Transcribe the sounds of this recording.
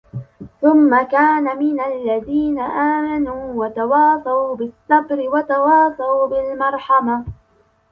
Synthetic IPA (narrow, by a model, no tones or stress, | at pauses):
θʊmːakaːnamɪnalːaðiːnaʔaːmanuːwat̪awɑːsˤɑbɪsːɑbɾɪwat̪awɑːsˤɑwbɪlmɑɾˤħɑma